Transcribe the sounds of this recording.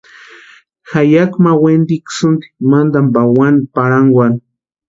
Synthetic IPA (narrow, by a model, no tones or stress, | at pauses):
xajakmawend̪iksʊnd̪i̥mand̪ambawanipaɾaŋwan